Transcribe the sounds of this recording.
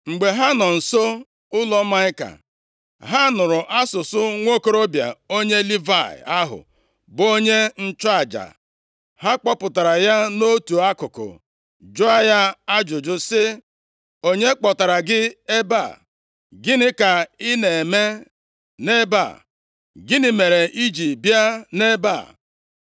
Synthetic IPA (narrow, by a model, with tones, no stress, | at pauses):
ŋ͡m̩˨ɡ͡be˨ɦa˦nɔ˨n̩˨so˦ | ʊ˦lɔ˦ma˦ɪ˦ka̰˨ | ɦa˦nʊ˨ɾʊ˨ʔa˦sʊ˨sʊ˦ŋʷo˦ko˦ɾo˦bja̰˨o˦ɲe˦li˦va˦˨ɪ̰˨a˦ɦʊ̰˨ | bo˦ɲe˦n̩˦t͡ʃɔ˦a˨d͡ʒa̰˨ | ha˦k͡pɔ˦pʊ˨ta˨ɾa˨ja˦no˦tu˨a˦kʊ˨kʊ̰˨ | d͡ʒʊ˦a˦ja˦a˦d͡ʒʊ˨d͡ʒʊ˦sɪ˦ | o˦ɲe˦k͡pɔ˨ta˨ɾa˨ɡɪ˦e˦ba̰˦˨ | ɡɪ˦nɪ˦ka˨ɪ˦ne˨e˨me˦ | ne˦ba̰˨ | ɡɪ˦nɪ˨me˨ɾe˨ʔi˦d͡ʒi˨bja˦ne˦ba̰˨